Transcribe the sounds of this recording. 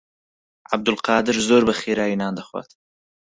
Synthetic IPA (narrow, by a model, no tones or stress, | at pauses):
ʕab̚d̪ʊlqɑːd̪ɨɾzoːɾbɐxeːɾaːjinaːnd̪ɐxwa̰t̪